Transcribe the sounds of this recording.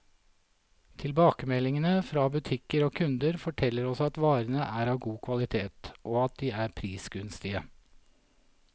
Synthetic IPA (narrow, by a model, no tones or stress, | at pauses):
t̪ʰɪlbɑːkəmɛlɪŋənəfɾɑːbʉt̪ʰɪkəɾoːkʰʉnd̪əɾfɔʈʰɛlːəɾɔsɑt̪ʋɑːɾənəʔæːɾɑːʋɡuːkʰʋɑlɪt̪ʰeːt̪ʔoːɑt̪̚d̪iːæːɾpʰɾiːsɡʉnst̪ɪə